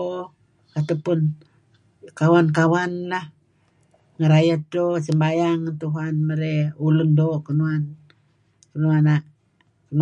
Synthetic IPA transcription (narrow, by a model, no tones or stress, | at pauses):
kat̪apun | kawankawanlah | ŋəɾajat̪̚dosəmbajaŋt̪uɦanməɾeulundokənuan | kənuana | kən